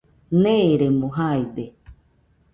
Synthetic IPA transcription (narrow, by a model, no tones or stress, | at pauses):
nẽɾemõɦaid̪e